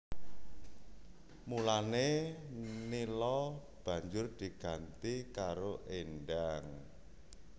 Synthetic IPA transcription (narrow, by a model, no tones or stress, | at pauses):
mulane | nilɔ | b̥ä̤ɲd͡ʒʊrd̪̥i̤ɡ̥a̤nt̪ikaɾoʔenɖaŋ